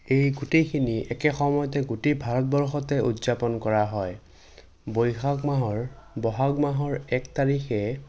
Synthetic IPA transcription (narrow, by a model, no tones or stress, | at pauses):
ejɡutekʰiniʔɛkɛxɔmɔjɔtɛɡutebʱaɹɔt̚bɔɹxɔtɛutzapɔnkɔɹaɦɔj | bojxakmaɦɔɹbɔɦakmaɦɔɹɛktaɹixɛ